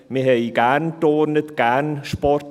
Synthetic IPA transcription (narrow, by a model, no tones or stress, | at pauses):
mɪɦejɡand̥oːnədɡanspɔr